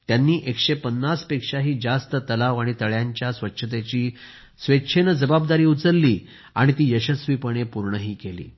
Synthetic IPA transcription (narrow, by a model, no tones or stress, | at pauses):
t̪janːiːʔekʂepənːaspekʂaɦiːd͡zast̪ət̪əlaʋaɽ̃it̪əɭjaɲt͡ɕjasʋətːɕʰət̪̬et͡ɕiː | sʋetɕʰenəd͡zəbab̚d̪aɾiːut͡səɾːiː | aɽ̃it̪iːjəɕəsʋipəɽ̃epuɾɳəɦiːkelḭː